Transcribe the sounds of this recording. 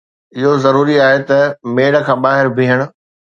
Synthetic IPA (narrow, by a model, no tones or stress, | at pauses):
ɪɦozɐɾuːɾiaːɦet̪ɐmeːɽkʰãːɓaːɦɪɾbʱiːɦəɽ̃ʊ̆